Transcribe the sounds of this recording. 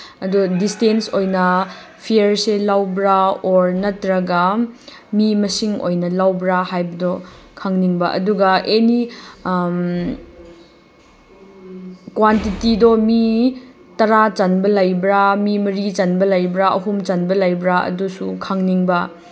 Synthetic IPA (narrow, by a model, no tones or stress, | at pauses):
ɐdudistensojnɐ | pʰiɐɾselawbɾaoɾnɐtɾɐɡɐ | mimɐsiŋo̰jnɐlawbɾahajbɐdɔkʰaŋniŋbɐʔɐ̰duɡɐeni | kwantitidɔmi | tɐɾat͡ʃɐnbɐlajbɾamimɐɾit͡ʃɐnbɐlajbɾaɐ̰ɦumt͡ʃɐnbɐlajbɾaɐ̰dusukʰaŋniŋbɐ